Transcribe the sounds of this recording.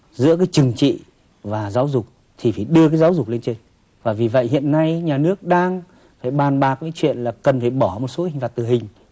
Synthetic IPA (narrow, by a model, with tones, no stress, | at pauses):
zɨ̰˧˥əkaː˨˦jt͡ɕɨ˨˩ŋt͡ɕḭ˧˨ | vaː˨˩zaː˨˦wzʊ˨˩k͡p̚ | t̪ʰi˨˩faː˧˩jɗɨ˧əkaː˨˦jzaː˨˦wzʊ˨˩k͡p̚le˧nt͡ɕe˧n | vaː˨˩vi˨˩və̰˧˨jhḭ˧˨ənːa˧jɲaː˨˩nɨ˦˥ək̚ɗaː˧ŋ | faː˧˩jɓaː˨˩nɓaː˨˩k̚kaː˨˦t͡ɕwḭ˧˨ənlaː˨˩kə˨˩nfaː˧˩jɓɔ˧˩mo˨˩t̚so˨˦hi˨ŋ̟va˨˩t̪ɨ˨˩ɦï˨˩ŋ̟